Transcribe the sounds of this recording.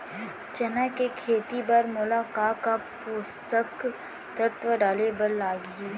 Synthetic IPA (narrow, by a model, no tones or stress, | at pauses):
t͡ʃɐnəkekʰeːt̪ibɐɾmʊlaːkaːkapuːst̪ək | t̪ɐt̪ʋəɖaːlebɐlːaːɡ